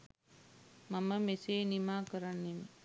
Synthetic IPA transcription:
mɐmɐmeseːnimaːkɐɾɐnim

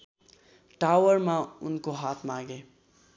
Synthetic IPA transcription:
ʈawəɾmãʊnkoɦaːt̪ʰmãɡe

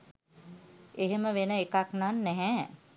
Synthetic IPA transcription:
eɦeməʋenəekaknanːɛɦɛ

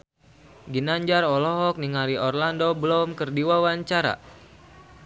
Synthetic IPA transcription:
ɡinaɲd͡ʒaɾɔlɔɦɔk̚niŋaɾiɔrlandobəlɔmkərdiwawaɲt͡ʃaɾa̰

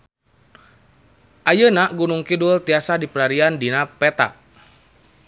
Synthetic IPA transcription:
ʔajənaɡunuŋkidult̪iasadipəlaɾiandinapɛt̪a̰

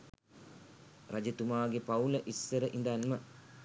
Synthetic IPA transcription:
rad͡ʒet̪umaːɡepauləʔisːəɾəʔind̪anmə

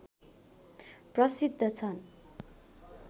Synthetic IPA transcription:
prʌsid̪ʱːʌt͡sʰʌn

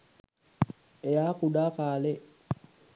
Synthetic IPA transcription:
ejakuɗakaːlɛ

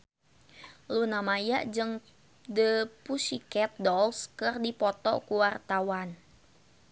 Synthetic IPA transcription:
lunamaja̰ʔd͡ʒɨŋ | dəpusikɛt̪̚dɔlskɨrdipɔt̪ɔ̰kuwart̪awan

